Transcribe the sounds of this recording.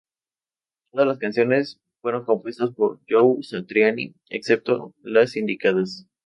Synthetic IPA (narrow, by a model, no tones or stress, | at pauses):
t̪oðazlaskansjo̞ne̞s | fweɾo̞ŋko̞mpwe̞st̪aspo̞ɾʝowsat̪ɾjanḭ | ḛkse̞p̚t̪o̞lasind̪ikaðas